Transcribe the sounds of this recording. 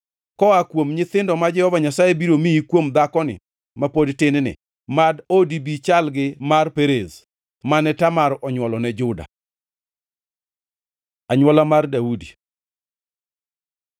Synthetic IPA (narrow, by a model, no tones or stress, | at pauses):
kɔakwomɲɪt̪ɪndɔmad͡ʒɛhɔvaɲasajebiɾomiikwomd̪akɔnɪ̰ | mapodtɪnnɪ̰ | madodibit͡ʃalɡɪmarpeɾez | manɛtamaɾɔɲwɔlɔnɛd͡ʒʊda̰ | aɲwɔlamardaudi